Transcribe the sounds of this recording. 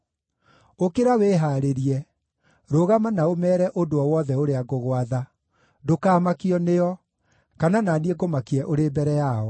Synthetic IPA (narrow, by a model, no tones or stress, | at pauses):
okeɾaweːɦaːɾeɾiɛ | ɾoɣamanaomɛːɾɛʔodoɔwɔðɛoɾeaɡoɣwaða | dokaːmakiɔneɔ | kanananieɡomakiɛʔoɾebɛɾɛjaɔ